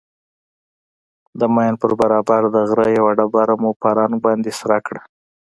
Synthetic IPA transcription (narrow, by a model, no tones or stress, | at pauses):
d̪əmajnpəɾbaɾɑbaɾd̪əɣɾəjawaɽabɑɾamupaɾɑŋbɑnd̪esaɾakɽa